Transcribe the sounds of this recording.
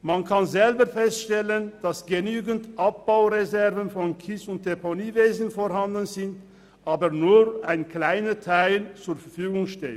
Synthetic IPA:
mankʰanzɛlbəfɛstʃtɛlənd̥asɡ̥ənyːɡəntʔap̚b̥aʊʁezɛʁvənfɔnkʰɪsʊnt̚d̥eponiːveːzn̩foʁɦandənzɪnt | ʔaːbənuːʁʔaɪnkl̥aɪnətʰaɪlt͡suːɐfɛfyːɡʊŋʃteːt

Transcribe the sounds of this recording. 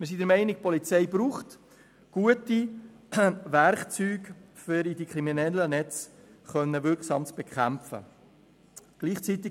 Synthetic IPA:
mɪs̬id̥̪əɾmɛɪnɪkpɔlit͡sɛɪbɾuːχt | ɡ̥uəti | ʋæɾχt͡syːɡfɪɾidikχɾiminɛlːənɛt͡sχœnːəʋʏksɑ̰ːmt͡sb̥ɛkʰχæmfə̰ | ɡ̥liːχt͡sit̪ɪ

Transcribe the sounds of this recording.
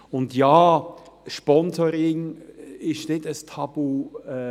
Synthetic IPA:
ʊndjɑːʃpɔnsɔɾɪŋɪʃnɪtəstʰɑb̥u

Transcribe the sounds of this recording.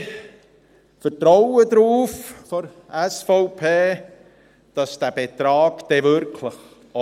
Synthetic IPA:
fəɾtɾɔwədɾuːffɔɾ | æsfɔʊpʰeː | d̥ɑsd̥æb̥et̪ɾɑːɡd̥ɛvʏɾkʰləχ

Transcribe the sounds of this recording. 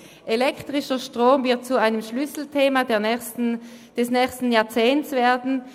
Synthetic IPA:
ʔelɛktʁ̥ɪʃɐʃtʁ̥oːmvɪɐt̚t͡suaɪnəmʃlʏsl̩tʰeːmadeɐ | d̥ɛsnɛːçstn̩jaːɐt͡seːnt͡sv̥eːɐdn̩

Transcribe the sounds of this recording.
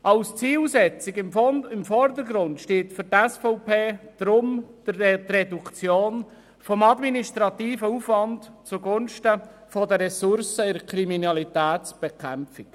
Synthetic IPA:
ʔɑwst͡siːlsɛt͡sɪɡɪɪmfɔrd̪əɾɡɾʊntʃteːtfʏɾtɛsfɔʊpʰeːd̪̥ɾʊm | t̪rɛdukt͡sjoːn | fɔmɑd̪miniʃtɾɑt̪iːfəufvɑntt͡suɡʊnʃtəfɔdəɾɛsʊɾsəɪɾkʰɾiminɑlit̪æːtsb̥ekʰɛmfɪk

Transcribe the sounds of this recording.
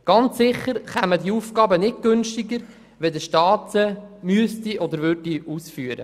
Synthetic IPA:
ɡ̥ɑnt͡sːɪχəɾχamədiuːfɡɑːbənɪt̚ɡ̥ønʃtiɡəɾ | ʋɛdəʃtɑːtəmyəst̪iʔɔd̪əɾvʏɾdiuːsfyːəɾə̰

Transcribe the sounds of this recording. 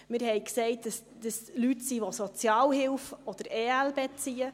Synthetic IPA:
mɪɾhɛɪksɛɪt̚dəs | d̥̪əslytsiʋosɔt͡sjɑːlhɪlfɔd̪̥əɾeːælbɛt͡siːə

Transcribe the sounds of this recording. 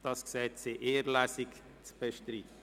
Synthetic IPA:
d̥ɑsksɛːt̪seʔeːəɾlæsik | t͡sb̥eʃtɾiːt̪ə

